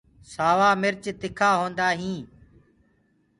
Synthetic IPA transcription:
saːʋaːmɪɾt͡ʃt̪ɪkʰaːɦõːnd̪aːɦĩː

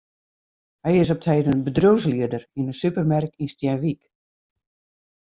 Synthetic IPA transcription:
hɛjɪs̬ɔp̚tʰɛjdənbədrows̬liədərinəsypərmɛrkinstjɛnʋik

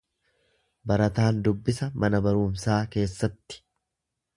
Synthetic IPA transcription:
bɐɾɐt̪aːnd̪ʊbːɪsɐmʔɐnɐbɐɾuːmsaːke̞ːsːɐt̪ːɪ̥

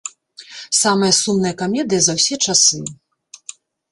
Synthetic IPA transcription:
samɨjɐsumnɨjɐkamʲɛd̪ɨjɐzɐwsʲɛt͡ʂasɨ

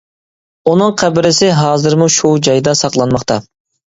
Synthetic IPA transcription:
unɨŋqʰæbɪɾɪsɪɦɑːzɨɾmuʃud͡ʒɑjd̪ɑsɑqlˠɑnmɑχt̪ʰɑ

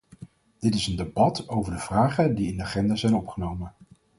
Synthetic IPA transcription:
d̥ɪtɪsəndebɑtowvəɹdəv̥raːχədiɪndəaχɛndaːzɛjnɔpχənowmən

